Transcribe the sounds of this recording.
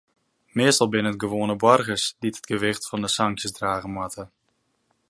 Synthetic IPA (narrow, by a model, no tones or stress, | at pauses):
mɪːstɔlˠbɪnəətɡəʋoːnəbɔrɣəsditətɡəʋɪxtfɑndəsɑŋkjəsdraːɣəmatə